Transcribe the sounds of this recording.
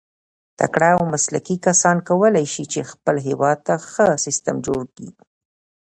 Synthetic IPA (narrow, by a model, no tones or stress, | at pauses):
t̪a̰kɽaawmasla̰kikasɑnkawəlajʃit͡ʃexpəlɦɪwɑd̪̚t̪axəsɪst̪əmd͡ʒoɽkḭ